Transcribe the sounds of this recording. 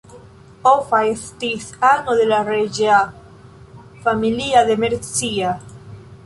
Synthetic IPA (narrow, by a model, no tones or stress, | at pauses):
ofaest̪isanoðelareʒea | familiaðemeɾt͡sia